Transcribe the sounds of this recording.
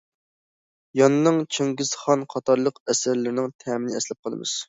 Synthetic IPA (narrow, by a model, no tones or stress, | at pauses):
jɑnɨnɨŋt͡ʃʰeŋɡʲiz̥χɑnqʰɑt̪ʰɑɾlˠəqɛsæɾlɪɾɪnɪŋt̪ʰɛmɪnɪɛslɪp̚qʰɑlˠɨ̰mɨ̰z̥